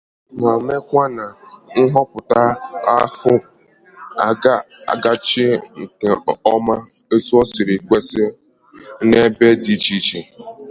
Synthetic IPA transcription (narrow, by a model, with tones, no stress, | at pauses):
ma˨me˦kʷa˦na˨n̩˦ɦɔ˦pʊ˨ta˦a˦fʊ˦ | a˨˦˨ | ɡa˦t͡ʃɪ˦ŋ̩˨ke˨ɔ˦ma˦ | e˦su˦ɔ˦sɪ˨ɾɪ˨kʷe˦sɪ˦ | ne˦be˦di˨t͡ʃi˦t͡ʃi˨